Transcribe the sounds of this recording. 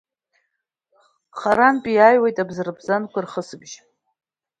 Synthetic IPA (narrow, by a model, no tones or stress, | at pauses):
χaɾanpʼiajwejtʼabzɨrɨbzankʷʰarχəsɨbʒ